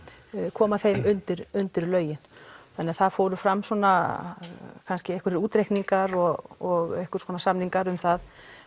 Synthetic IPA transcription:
kʰɔːmaθejmʏnt̪ɪɾʏnt̪ɪɾlœːɥjɪnθanɪaθaðfoːwɾʏfɾamːsɔna | kʰanscɪɛhkʏɾuːt̪ɾejhkniŋkaɾɔɣɔɣɛhkʏɾ̥sɔːnasamniŋkaɾʏmθað

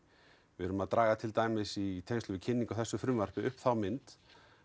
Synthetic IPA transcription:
vɪɾʏmaðt̪ɾaːɣat̪ʰɪlt̪aːjmɪsit̪ʰejnst̪ʏvɪcʰɪnːiŋkawθɛsːʏfɾʏmvar̥pɪʏhpθawmɪnt̪

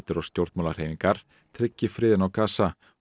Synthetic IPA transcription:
t̪ɪɾɔst̪jowɾt̪mawlaɾ̥ejmiŋkaɾ̥ | t̪ʰɾɪcːɪfɾɪːðɪnawkaːsa

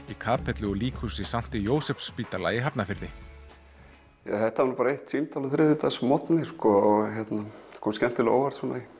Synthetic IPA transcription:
ikʰaːpʰɛt̪lʏɔliːkʰusɪsam̥t̪ɪjoːwsɛpspiːt̪alaːjɪɦapnafɪɾðɪ | ja̰θɛht̪avaɾnapaɾaeht̪sint̪ʰawlʏθɾɪðɪt̪asmɔt̪nɪɾ̥skɔɔçɛt̪naskʰɔscɛm̥t̪ɪlo̰ːwvaɾt̪sɔnai

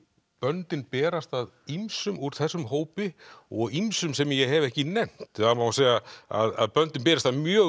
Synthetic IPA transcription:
pœnt̪ɪnpɛːɾast̪aðimsʏmuɾ̥θɛsːʏmɦoːwpɪɔɣimsʏmsɛmjɛɦɛvɛhcɪnɛn̥t̪amawaseːjaa̰ða̰ðpœnt̪ɪnpɛːɾast̪aðmjœː

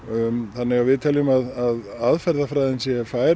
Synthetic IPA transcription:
θanːɪɣavɪðt̪ʰɛlʏmaðaðaðfɛɾðafɾaːjðɪnsjɛfaːjɾ

